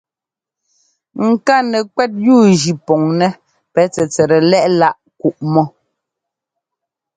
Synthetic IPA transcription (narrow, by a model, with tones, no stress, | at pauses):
ŋ̩˨ka˦nɛ˨kwɛ˦t̚juː˦˨d͡ʒi˨pɔ˨ŋnɛ˦ | pɛ˨˦t͡sɛ˨t͡sɛ˨ɾɛ˨lɛ˦ʔla˦˨ʔku˨ʔmɔ˦